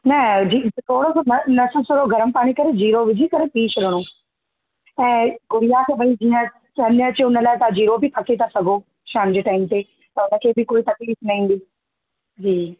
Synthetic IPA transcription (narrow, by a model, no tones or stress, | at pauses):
nɐd͡ʑit̪ʰoːɽosnɐnɐsəsoɾoɡʱɐɾəmpaːɽ̃ikɐɾed͡ʑiːɾoʋɪd͡ʑʱikɐɾepiːʃɾɐɽ̃õː | ɛ̃ːɡʊɾijakʰeʋɐĩd͡ʑiːə̃ | ɐnəɐt͡ɕeʊnə̆laːɪt̪ad͡ʑiːɾobʱɪpʰɐkʰet̪ʰasɐɡʱo | ʃaːmd͡ʑeːʈaːɪmt̪e | t̪ɐʊnə̆kʰeːbɪkoːit̪ɐkliːsnɐɦĩːn̆d̪iː | d͡ʑiː